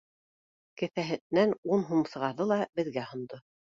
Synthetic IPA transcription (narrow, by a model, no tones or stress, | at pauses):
kɘ̆θæɦɘ̆nːænunɦumsɤ̆ʁɑɾðɤlˠɑbɘ̆ðɡæhŏnd̪o